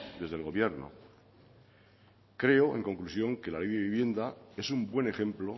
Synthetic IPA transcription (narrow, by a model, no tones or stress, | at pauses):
d̪e̞zðe̞lɣ̞o̞βje̞ɾno̰ | kɾe̞oe̞̰ŋkõ̞ŋklusjo̞ŋke̞laliβjaβiβje̞nd̪ae̞sumbwe̞ne̞xẽ̞mplo